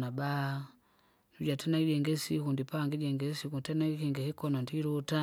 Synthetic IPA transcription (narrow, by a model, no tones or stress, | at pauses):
naba | nud͡ʒatɛnaid͡ʒɛŋɡɛsikundipaŋɡid͡ʒɛŋɡɛsikutɛnaikɛŋɡɛhɛkɔnɔndiɾuta